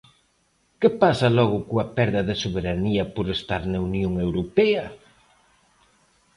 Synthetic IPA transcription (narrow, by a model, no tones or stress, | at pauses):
kepasɐlɔɣ̞ʊkoɐpɛɾðɐðɪsoβeɾaniɐpoɾest̪aɾnɐunjoŋewɾopɛɐ